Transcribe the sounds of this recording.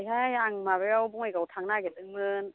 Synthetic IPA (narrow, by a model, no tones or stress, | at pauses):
jɦajaŋmaːwewbɔŋakat̪ʰaŋnaːkɛt̪ɯŋmɯn